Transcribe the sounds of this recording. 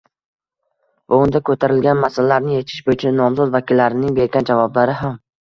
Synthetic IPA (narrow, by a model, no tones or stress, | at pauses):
ʊʊnd̪akʰɵt̪ʰaɾɪlɡʲanmasalalːaɾnɪjet͡ʃ̪ʰɪ̥ʃbojɪt͡ʃʰanɒmzɒzvakʲʰɪlːaɾɪnɪŋbe̞ɾɡʲand͡ʒavɒblaɾɪɦam